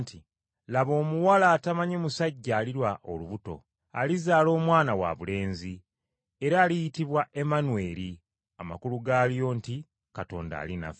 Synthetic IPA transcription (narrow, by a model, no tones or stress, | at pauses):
ntʰi | laβo̞ːmuwalaːtamaɲemusaɟːaːliɾwaʔo̞luβuto̞̰ | a̰lizaːlo̞ːmwaːnawa̰βule̞ːnzi | e̞ɾaːlijitiβwaʔe̞manwe̞ːɾi | ama̰kuluɡaːlijo̞ːnti | kato̞̰ːnda̰ːlina̰f